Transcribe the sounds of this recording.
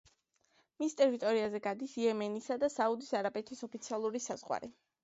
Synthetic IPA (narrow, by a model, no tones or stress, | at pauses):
mist̪ʼɛɾit̪ʼɔɾiazɛɡad̪isiɛmanisad̪asaud̪isaɾapʼɛt̪ʰisɔpʰit̪sʰialˠuɾisaz̥ʁwa̰ɾɛ